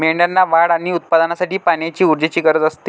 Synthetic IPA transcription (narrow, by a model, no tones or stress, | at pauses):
meɳɖanːaʋaɽaɽ̃iut̪̚pad̪ənasaʈiːpaɳjat͡ɕiːuɾd͡ʑet͡ɕiːɡəɾd͡zəst̪iː